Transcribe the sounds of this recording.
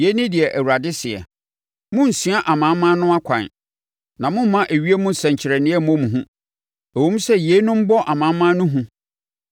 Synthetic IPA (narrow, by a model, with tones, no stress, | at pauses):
je˦nʊ̃˦dɪ˨ɛ˨ʔæ˨wu˨ɾa˨dɪ˦sɪ˨ɛ̰˨ | mʊ̃˦n̩˨sĩ˨˦a˦ʔa˨mã˨˦mːã˦nʊ̃˦a˦kʷʰã̰˨n˨ | nã˨mʊ̃˦m˦mã˦ʔæ˨ɥi˦e˦mũ˦n̩˨sɛ̃˨ɲ˨t͡ɕʰɪ˨ɾɛ˨nɪ̃˦ɛ˦˨mɔ̃˦mũ˨ɦũ˦ | æ˨wõ˦m̩˦sɛ˦je˦nʊ̃˦m̩˦bɔ˦ʔa˨mã˨˦mmːã˦nʊ̃˦ɦũ˦